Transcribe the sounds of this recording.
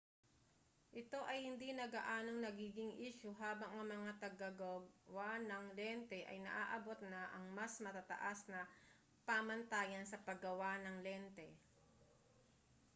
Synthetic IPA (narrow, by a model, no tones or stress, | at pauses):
ʔɪt̪o̞ʔɐjhɪnd̪inɐɡaʔaːno̞ŋnɐɡiːɡɪŋʔiːʃʊɦaːbɐŋʔɐŋmɐŋat̪ɐɡɐɡɐwanɐŋlɛnt̪ɛʔɐ̰jnɐ̰ʔaːʔɐbo̞t̪̚nɐʔɐŋmɐsmɐt̪at̪ɐ̰ʔasnɐ | pamɐnt̪aːjɐnsɐpɐɡɐwanɐŋlɛnt̪ɛ